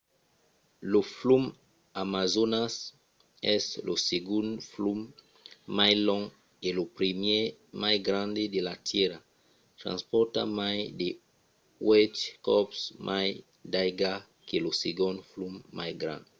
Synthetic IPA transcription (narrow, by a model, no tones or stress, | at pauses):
loflum | amazonas | ɛsloseɡundflumː | ajlɔ̃ŋ | elopɾimjemajɡɾãnd̪edelat̪ʰeɾa | t̪ɾã̰nspɔɾt̪a̰majde | wɛt͡ʃkɔpsmʔaj | d̪ajɡa | keloseɡɔ̃ndflumːajɡɾã̰nd